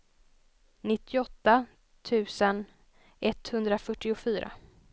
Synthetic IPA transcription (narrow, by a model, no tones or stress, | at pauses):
nɪt̪ʰːɪɔt̪ːa | t̪ʰʉ̟ːsən | ɛt̪ːhɵnd̪ɾafœʈːɪʊfyːɾʔa̰